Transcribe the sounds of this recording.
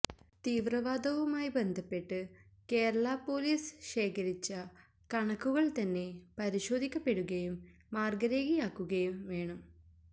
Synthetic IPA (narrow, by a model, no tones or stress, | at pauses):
t̪iːʋrɐʋaːd̪ɐʋɐmaːjibend̪ʱɐpːe̞ʈːɨke̞ːɾɐɭɐpo̞ːliːsɕeːkʰɐɾit͡ɕːɐ | kɐɳɐkːuɣɐɭt̪ɐnːe̞pɐɾiɕo̞ːd̪ʱikʲːɐpːe̞ɽuɣɐjumː | aːrɡɐɾeːɡijaːkːuɣɐjumʋe̞ːɳɐm